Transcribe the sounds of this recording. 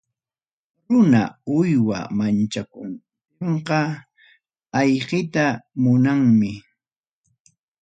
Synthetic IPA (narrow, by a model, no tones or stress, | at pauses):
ɾʊna̰ʊjwa̰mant͡ʃakʊn | eɴqɑ | ɑjɢɪt̪amʊnaŋmɪ